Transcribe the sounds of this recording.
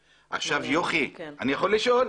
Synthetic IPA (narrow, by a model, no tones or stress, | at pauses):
ʔa̰χʃavjoχianijaχo̞lːiʃo̞l